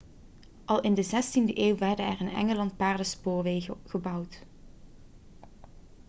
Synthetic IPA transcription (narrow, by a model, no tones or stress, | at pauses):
ʔɑlˠɪndəzɛstindəʔeːwʋɛɹdənɛrɪnɛ̰ŋəlɑnt̚paːɹdəspoːɹʋeːɣəɣəbʌwt